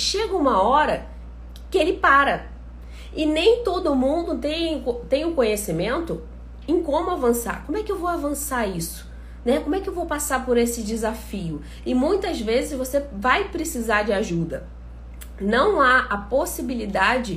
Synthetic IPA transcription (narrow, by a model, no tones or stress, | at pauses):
ʃeɡɐũmɐɔɾɐ | kɪelɪpaɾɐ | ɪnẽj̃t̪od̪ʊːmũnd̪ʊt̪ẽj̃kot̪ẽj̃ʊkõɲesimẽnt̪ʊ | ẽj̃kõmʊavɐ̃sa̰ɾkõmʊɛkɪewvowavɐ̃saɾisʊ̥ | nɛkomʊɛkɪewvowpasaɾpoɾesɪd͡ʒɪzafiʊ | ɪmũj̃t̪ɐzvezɪzvosevajpɾɪsizaɾd͡ʒɪaʒud̪ɐ | nɐ̃w̃aɐposibilid̪ad͡ʒɪ